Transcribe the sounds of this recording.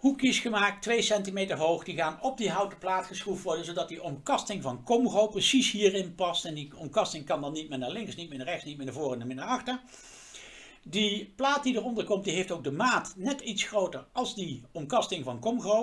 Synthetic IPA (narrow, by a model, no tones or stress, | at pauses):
hukjəsχəmaːk̚tʋejsɛntimejtəɹɦowχdiχaːnɔb̚diɦʌwtə̥plaːtχəsχuftʋɔɹdənzowdɑt̚diʔɔmkɑstɪŋvɑnkɔmɣowprəsisɦiːrɪnpɑstɛndiɔmkɑstɪŋkɑndɑnːit̚mɪːnaːlɪŋksnit̚mɪːnarɛxtsnitmɪːnavʊːrənaːmɪnaɹɑχtəɹ | diplaːt̚didəɹɔndəɹkɔmt̚diɦeftowɡ̚dəmaːtnɛtitsχrowtəɹɑlˠzdiɔmkɑstɪŋvɑnkɔmɣow